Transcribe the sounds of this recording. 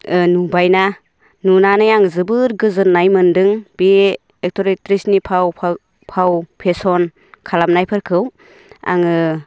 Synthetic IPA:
ɯnubajna | nunanɯjaŋzɯbɯɾɡɯzɯɾnajmɯndɯŋb̥i | ek̚tʰɔɾitɾisnipʰawpʰ | pʰawpʰesɔn | kʰalamnajpʰɯɾkʰɯw | a̰ŋɯ

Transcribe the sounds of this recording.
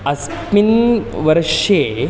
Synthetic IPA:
ɐs | pinʋəɾʂe

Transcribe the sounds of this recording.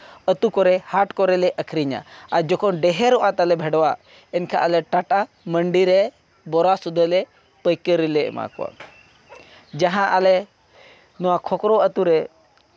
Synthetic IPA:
ət̪ukɔɾehaʈkɔɾeleʔəkʰɾiɲa̰aɾd͡ʒɔkʰɔnɖeɦeɾɔʔãt̪alebʱeɽʋa | enkʰa̰ʔaleʈaʈa | məɳɖiɾe | bɔɾasud̪ʱːəle | pəjkəɾilḛma̰kwa̰ | d͡ʒaɦãʔale | nuwãkʰɔkɾɔət̪uɾe

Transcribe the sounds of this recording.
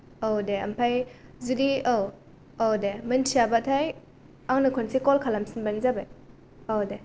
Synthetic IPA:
owdeɐmpʰajzudiow | owdemɯntʰijabatʰaj | aŋnɯkʰɔnsikɔlkʰalamsinbanzabej | owde

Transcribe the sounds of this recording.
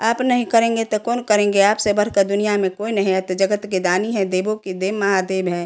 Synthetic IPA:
aːpnəɦĩkəɾẽːŋ̆ɡet̪ɔkoːnkəɾẽːŋɡeaːpsebəɾkəɾd̪ʊnijamẽkoːinəɦĩɦɛt̪d͡ʒəɡət̪ked̪aːniɦɛ̃d̪eːbõkid̪eːmɐɦad̪eːbɦɛ̃ː

